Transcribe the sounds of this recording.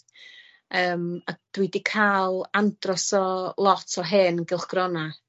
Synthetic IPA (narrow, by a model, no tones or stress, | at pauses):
əːmad̥widikʰalˠandrɔsɔlˠɔtʰɔɦeːnənɡɪlˠχɡ̥rɔna